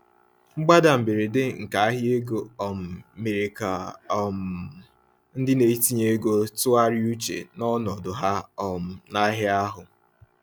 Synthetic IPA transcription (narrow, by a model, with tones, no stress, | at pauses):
ŋ͡m̩˦ɡ͡ba˦da˨m̩˨bɪ˨ɾɪ˨dɪ˦ŋ̩˨ka˨a˦ɦɪ˦e˦ɡo˨ɔ˨m̩˨me˨ɾe˨ka˨ɔ˨m̩˨ | n̩˦dɪ˦ne˨i˦ti˦ɲe˦ɡo˦tʊ˦a˦ɾɪ˦u˦t͡ʃḛ˨nɔ˦nɔ˨dʊ˨ɦa˦ɔ˨m̩˨na˦ɦɪ˦a˦ɦʊ˨